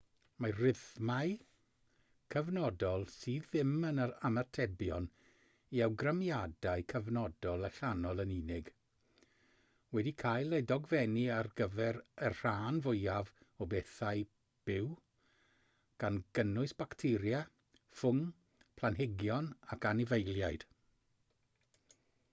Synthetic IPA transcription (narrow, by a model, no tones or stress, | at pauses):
marɪðmaɨ | kʰəvnɔdɔlˠsiːðːɪmənəɾamartʰɛbjɔn | iawɡramjadaɨkʰəvnɔdɔlˠəɬanɔlˠəninɪɡ̥ | wɛdikʰajlˠejdɔɡvɛniarɡəvɛɾərr̥aːnvʊjavɔbeθaɨ | b̥ɪw | ɡ̥anɡ̥ənʊɨsb̥aktʰɪɾja | fʊŋ | pʰlˠanɦɪɡjɔnakanɪvejlˠjajd̥